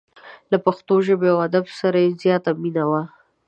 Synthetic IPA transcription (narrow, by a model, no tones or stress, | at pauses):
lapaxt̪oʒəbeawad̪absaɾajezjɑt̪aminawa